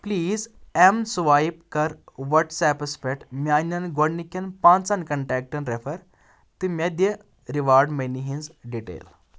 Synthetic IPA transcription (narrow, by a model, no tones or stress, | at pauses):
pliːzɛmsuʋajp̚kəɾʋəʈsɛpəsfɛk̚ʈmianɐnɡoɽnikːenpãnt͡sankəɳʈɛk̚ʈənɾefəɾ | t̪imed̪je | ɾiʋaɾɖmeniɦĩnzɖiʈḛl